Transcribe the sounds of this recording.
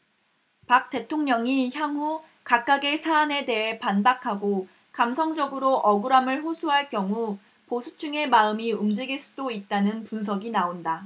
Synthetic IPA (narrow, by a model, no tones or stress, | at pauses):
pak̚t͈e̞tʰoŋɲʌŋiçjaŋɦu | kak̚k͈aɡe̞sʰaːne̞de̞ɦe̞panbakʰaɡo | kamsʰʌŋd͡ʑʌɡɯɾoʔʌɡɯɾamɯɭɸosʰuɦaɭkjʌŋu | posʰu̥t͡ɕʰuŋe̞maɯmiumd͡ʑiɡiɭs͈udoit̚t͈anɯnpuns̬ʰʌɡinaonda